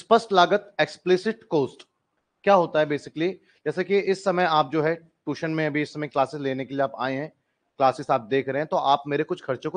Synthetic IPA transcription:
spəsʈlaːɡət̪eːksplɪsɪʈkoːsʈ | kjaːɦoːt̪aɦɛbeːsɪkli | d͡ʒɛːsakiʔɪsːɐməjaːp̚d͡ʒoːɦɛ | ʈuːʃənmẽɐbʱiɪsːɐməjklaːsɪsleːnekelieaːpa̰ːẽɦɛ̃ː | klaːsɪsaːp̚d̪eːkʰɾɐɦẽɛ̃t̪oʔaːpmeːɾekʊt͡ʃʰxʰɐɾt͡ʃõk

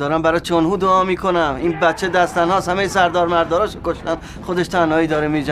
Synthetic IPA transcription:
ɒːɾæmbæɾɒːt͡ʃʰonhuːd̪oɒːmiːkʰo̞næmiːnbæt̪t͡ʃʰːe̞d̪æst̪ænhɒːshæmejsæɾd̪ɒːɾmæɾd̪ɒːɾɒːʃokoʃt̪æn | xod̪e̞ʃt̪ʰænhɒːiːd̪ɒːɾemiːd͡ʒ

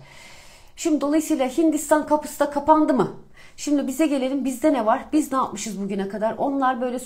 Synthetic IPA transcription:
ʃimd̪id̪o̞lˠajɯsɯjlˠaɦind̪ist̪ʰankʰapɯ̥sɯd̪akʰapand̪ɯmɯ | ʃimd̪ibizɛɟe̞lʲe̞ɾʲimbizd̪ɛnɛvaɾbiznaːt̪mɯʃɯzbuɟynɛkʰad̪aɾʔo̞nlˠaɾbø̞jlʲɛs

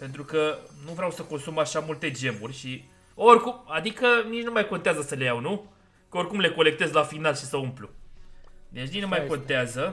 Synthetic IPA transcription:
pe̞nt̪ɾukənuvɾeawsəko̞nsumaʃamult̪e̞d͡ʒe̞murʲʃi | o̞rʲkumad̪ikənit͡ʃnumajko̞nt̪eazəsəlejawnu | kəo̞rʲkumle̞ko̞le̞k̚t̪e̞zlafinalʃisəumplu | d̪et͡ʃnit͡ʃʲnumajko̞nt̪eazə

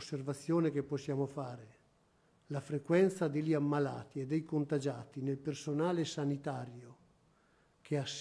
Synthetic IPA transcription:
sːervat̪sːjoːnek̟epːosːjaːmofaːɾe | lafɾekwɛnt̪sad̪eʎːiamːalaːt̪ied̪ːɛjkont̪ad͡ʒaːt̪inelpersonaːlesanit̪aːɾjo | k̟eas

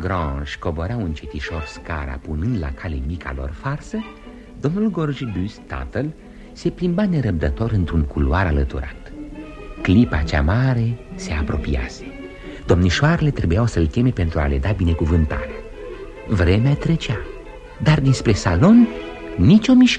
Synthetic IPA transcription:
ɡɾɑ̃ʃko̞bo̞ɾauɨnt͡ʃet̪iʃo̞rska̰ɾa̰punɨnd̪la̰kʰale̞mikʰa̰lo̞̰rfarsə | d̪o̞mnulɡo̞rʒbyst̪a̰t̪əl | se̞plimbane̞ɾəp̚d̪ət̪o̞ɾɨnt̪ɾuŋkuluaɾalət̪ṵɾa̰t̪ | klipat͡ʃa̰maɾe̞se̞apɾo̞pia̰se̥ | d̪o̞mniʃoaɾelet̪ɾe̞bujawsəlt̪ʲe̞me̞pe̞nt̪ɾua̰le̞d̪abine̞kuvɨnt̪a̰ɾa | vɾemeat̪ɾe̞t͡ʃa | d̪ard̪inspɾe̞salo̞nː | it͡ʃʲo̞miʃk

